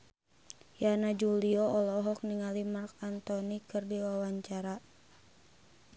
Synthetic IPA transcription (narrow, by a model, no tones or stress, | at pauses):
janad͡ʒuliɔʔɔlɔɦɔk̚niŋalimarkant̪ɔnikɨrdiwawaɲt͡ʃaɾa